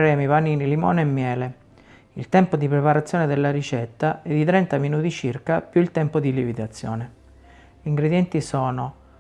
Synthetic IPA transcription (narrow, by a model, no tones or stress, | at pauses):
ɾɛːmivaniːnilimɔ̰ːnɛmːjɛːle | ilt̪ɛmpod̪ipɾepaɾat̪sːjɔːned̪elːaɾit͡ʃɛt̪ːaɛd̪ːit̪ɾɛnt̪aminuːt̪it͡ʃirkapjuilt̪ɛmpod̪ilivid̪at̪sːjɔ̰ːne | iŋɡɾed̪jɛnt̪isɔːno